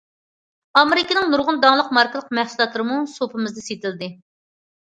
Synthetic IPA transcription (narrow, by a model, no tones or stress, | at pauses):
ɑmɪɾɪkʲinɪŋnuɾʁʊnd̪ɑŋlˠəq̚mɑɾkəlˠəq̚mɛhsulˠɑt̪lˠɨɾɨmusopʰɨmɨzd̪ɛset̪ɪld̪ɪ